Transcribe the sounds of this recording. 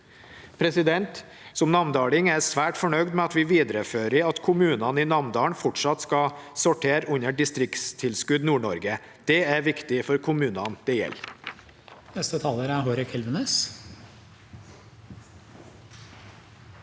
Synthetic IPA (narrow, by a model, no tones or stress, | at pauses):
pʰɾɛsɪd̪ɛnt̪ | sɔmnɑmnd̪ɑːlɪŋæɾsʋæːʈfɔɳœʏd̪mɛɑt̪ʋɪːʋiːd̪ɾəføːɾɪɑt̪kʰʊmʉːnɑniːnɑmnd̪ɑːɳfɔʈʂɑt̪skɑsɔʈʰeːɾʉɲəɖɪst̪ɾɪkst̪ʰɪlskʉd̪nuːɳɔɾɡə | d̪̥ɛæɾʋɪkt̪ɪfɔɾkʰʊmʉːnɑnd̪̥ɛjɛ̰l | nɛst̪ət̪ʰɑːləɾæɾɦoɾɪkʰɛlʋənes